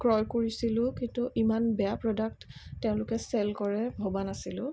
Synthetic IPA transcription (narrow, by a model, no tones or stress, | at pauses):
kɹɔjkoɹisilʊ̃kĩntuʔimanbɛapɹɔdak̚ttːɛʊ̃lʊkɛsɛlkɔɹɛbʱobanasilʊ̃